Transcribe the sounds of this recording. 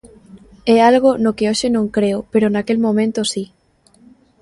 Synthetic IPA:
ɛalɣonokeoʃɪnõŋkɾeʊpeɾonakelmõmẽnt̪osi

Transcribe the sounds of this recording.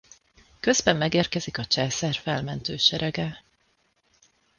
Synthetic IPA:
kø̞zbɛmːɛɡeːrkɛzikɒt͡ʃɛlsɛrfɛlmɛnt̪øːʃɛɾɛɡɛ

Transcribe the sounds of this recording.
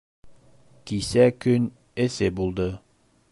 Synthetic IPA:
kisækɵn | esɘbulˠd̪ɤ

